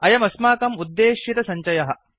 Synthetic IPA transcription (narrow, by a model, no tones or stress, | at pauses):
ɐjɐmɐsmaːkɐmud̪ːeːʃit̪ɐsɐɲt͡ʃɐjɐɦɐ̆